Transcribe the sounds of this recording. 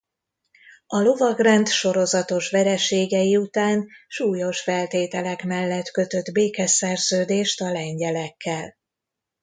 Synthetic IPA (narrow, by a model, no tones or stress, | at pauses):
ɒlo̞vɒɡrɛnt̪ʃo̞ɾo̞zɒt̪o̞ʃʋɛɾɛʃeːɡɛjiut̪aːnʃuːjo̞ʃfɛlt̪eːt̪ɛlɛkmɛlːɛt̪kø̞t̪ø̞d̪beːkɛsɛrzøːd̪eːʃt̪ɒlɛɲɟɛlɛkːɛl